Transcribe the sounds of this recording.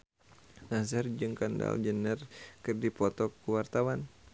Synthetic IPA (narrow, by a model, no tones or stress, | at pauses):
nazərd͡ʒɨŋkanda̰ld͡ʒənərkɨrdipɔt̪ɔkːuwart̪awan